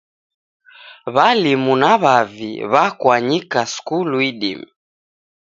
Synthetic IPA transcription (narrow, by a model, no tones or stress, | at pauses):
βalimunaβavḭβakwaɲikaskuluiɗḭmi